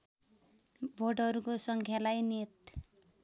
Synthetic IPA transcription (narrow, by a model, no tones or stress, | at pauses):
bʱoɖʌɾukosʌŋkʰjalajnit̪